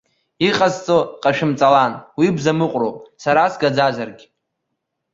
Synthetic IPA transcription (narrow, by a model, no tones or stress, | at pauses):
iqʼazt͡sʼoqʼaʃᶣɪmt͡sʼalanwibzamɨqʷʼrowpʼsaɾasɡad͡zazarɡʲɪ